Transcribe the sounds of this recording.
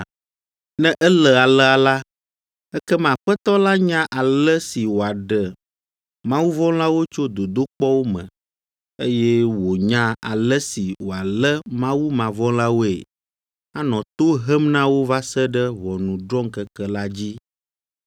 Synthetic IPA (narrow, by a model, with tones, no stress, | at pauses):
nɛ̃˦ʔɛ˦lə˨a˨lə˦a˨la˦ | ɛ˦kɛ˦mã˨ɸɛ˦t̪ɔ˦la˦ɲã˦ʔa˨lə˦si˨wo˨a˨ɖə˨ | mã˦wu˦vɔ̃˦la˦wo˦t͡ʃo˦d̪o˨d̪o˦k͡pɔ˦wo˦mə̰̃˨ | e˦jɛ˦wo˨ɲã˦a̰˨lə˦si˨wo˨a˨lə˦mã˦wu˦mã˨vɔ̃˦la˦wo˦ḛ˨ | a˦nɔ̃˨t̪o˦ɦə˦mnã˦wo˦va˦sə˦ɖə˦vɔ˨nũ˨ɖɾɔ̃˦ŋ˦kə˦kə˦la˦d͡ʑi˦